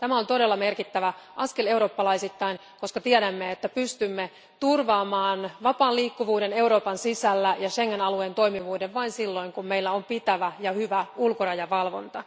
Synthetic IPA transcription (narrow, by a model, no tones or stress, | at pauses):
t̪æmæo̞nt̪o̞ɾe̞lːɑme̞rkit̪ːæʋæʔɑskele̞wɾo̞ːpːɑlɑisit̪ːɑin | ko̞skɑt̪iɛɾæmːeet̪ːæpyst̪ymːe | t̪urʋɑːmɑːnʋɑpɑːnliːkːuʋuːde̞ne̞uɾo̞ːpɑnsisælːæjɑʃeŋːenɑlueːnt̪oimiʋuːdeʋʋɑinsilːo̞iŋkummeilːæompit̪æʋæjɑhyʋæulkorɑjɑʋɑlʋo̰nt̪ɑ